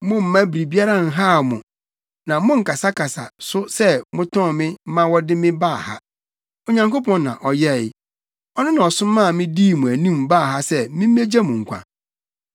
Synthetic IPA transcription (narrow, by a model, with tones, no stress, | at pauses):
mʊ̃˦m̩˨˦mã˦bi˨ɾi˨bi˦a˦ɾã˦˨n̩˨ɦa˦˨mʊ̰̃˨ | nã˨mʊ̃˦ŋ̩˨ka˨sa˦kʰa˨sa̰˨sʊ˦sɛ˦mʊ̃˦tʰɔ̃˦˨mɪ̃˦m̩˦mã˦wɔ˦dɪ˦mɪ̃˦ba˦˨ha̰˦ | o˨ɲã˨ŋko˦pʰɔ̃˦nːã̰˨ʔɔ˨jɛ˦˨˦ | ɔ˦nʊ̃˦nã˨ɔ˨sʊ̃˦mːã˦˨mɪ̃˦diː˦˨mʊ̃˨æ˨nũ˦˨mbaː˦˨ɦa˦sɛ˦mɪ̃˦m̩ː˦e˦d͡ʑa˦mʊ̃˨ŋ̩˨kʷʰã̰˨